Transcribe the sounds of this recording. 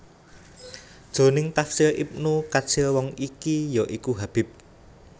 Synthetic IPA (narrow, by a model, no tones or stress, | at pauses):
d̥ʒ̥o̤nɪŋt̪afsɪlʔḭp̚nukḁt͡ʃɪlwɔŋikijɔʔikuɦab̥ɪ̤p̚